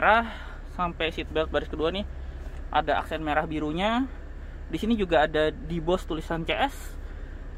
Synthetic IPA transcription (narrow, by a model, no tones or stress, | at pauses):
ɾah | sampɛjsit̪̚bɛlt̪̚baɾɪskəduanɪh | ʔa̰daʔa̰ksɛnmeɾahbiɾuɲa | disinid͡ʒuɡaːdadibɔst̪ulisant͡ʃɛʔɛs